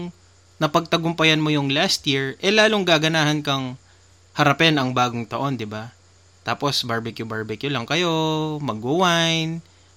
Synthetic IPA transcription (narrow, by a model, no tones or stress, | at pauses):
ŋ | nɐpɐɡ̚t̪ɐɡʊmpɐjɐnmojʊŋlast̪jiɹʔɛlaːloŋɡaːɡɐnaːhɐnkɐŋ | hɐɾɐpɛnɐŋbaːɡoŋt̪ɐʔo̞nd̪ɪba | t̪aːpo̞sbaɹbɛkjʊbaɹbɛkjʊlɐŋkɐjo̞mɐɡːʊwajn